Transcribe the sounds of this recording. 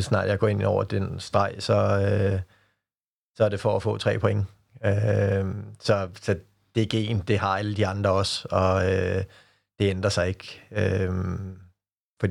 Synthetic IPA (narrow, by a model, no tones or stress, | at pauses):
esnɑ̰̈d̥jɑ̈ɡ̥ɒ̰ːe̝nɒʊ̰ɐd̥ensd̥ʁɑ̈ɪ̰sɒ̽ø | sɒæɐɾ̥e̝fɒːfɔ̰̽ːt͡sʰʁɛ̰ːpʰo̽eŋə | ø | sɒ̽sɒ̽ | d̥e̝ɡ̥e̝̰ːnd̥e̝ɦɑ̈æləd̥iɑ̈nd̥ʁɐɒ̽sɒ̽ø | d̥e̝end̥ʁɐsɑ̈ɪe̝ɡ̥øm | fɒd̥i